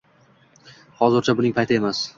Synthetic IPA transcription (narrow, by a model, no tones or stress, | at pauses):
hɒzɪɾt͡ʃʰabʊnɪŋpʰajt̪ʰɪe̞mas